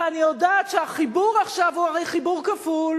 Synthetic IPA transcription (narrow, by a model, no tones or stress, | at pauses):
anijodat̪ʃeaχibuʁaχʃavuaʁejχibuʁkaful